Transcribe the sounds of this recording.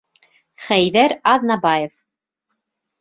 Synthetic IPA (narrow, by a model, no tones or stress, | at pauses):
χæjðæɾɑðnɑbɑjef